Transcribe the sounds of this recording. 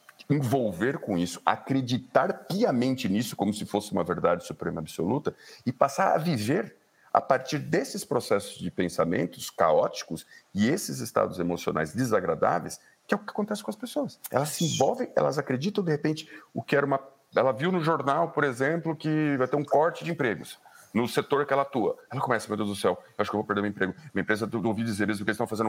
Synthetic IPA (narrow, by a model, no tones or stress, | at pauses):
ẽvowveɾkõisʊ̥a̰kɾed͡ʒit̪aɾpiɐmẽnt͡ʃɪnisʊ̥kõmʊsɪfosɪũmɐveɾd̪ad͡ʒɪsupɾẽmɐabɪso̰lut̪ɐɪpasaɾɐ̰viveɾ | a̰paɾt͡ʃiɾd̪esɪspɾosɛsʊzd͡ʒɪpẽsamḛ̃nt̪ʊ̥ska̰ɔt͡ʃi̥kʊsɪesɪzɪst̪a̰d̪ʊzemosio̰na̰jzd̪ezaɡɾad̪a̰vḛjs | kɪɛʊkɪakõnt̪ɛsɪ̥kõɐspesoɐsɛ̰lɐsːɪĩvɔwvẽj̃ɛ̰lɐzakɾed͡ʒit̪ɐ̃w̃d̪ehepẽnt͡ʃɪ̥ʊkɪɛɾũmɐ | ɛlɐviwnʊʒoɾnawpoɾezẽplʊkɪvajt̪eɾũkɔɾt͡ʃɪd͡ʒɪẽpɾeɡʊsnʊset̪oɾkɪɛlɐat̪uɐ̰ɛlɐkõmɛsɐmẽd̪ʊ̃d̪ʊsɛwewaʃʊkewvowpeɾd̪eɾmĩẽpɾeɡʊmiɐẽpɾezɐowvid͡ʒizeɾmezmʊkelɪst̪ɐ̃w̃fazẽnʊ